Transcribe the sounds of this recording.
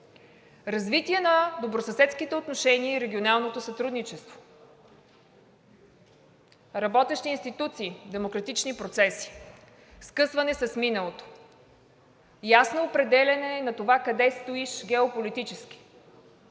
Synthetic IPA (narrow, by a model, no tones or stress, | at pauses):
ɾɐzvit̪iɛnɐd̪obɾosɐsɛt̪skit̪ɛot̪noʃɛniəiɾɛɡʲionalˠnot̪osɐt̪ɾud̪nit͡ʃɛst̪vo̥ | ɾɐbɔt̪ɛʃt̪iːnst̪it̪ut̪siːd̪ɛmokɾɐt̪it͡ʃnipɾot̪sɛsi̥ | skɤsvɐnɛsɐsminəlˠot̪o̥ | jasnoːpɾɛd̪ɛlʲɐnɛnɐt̪ovakɐd̪ɛst̪oiʃɡɛopolit̪it͡ʃɛskʲi̥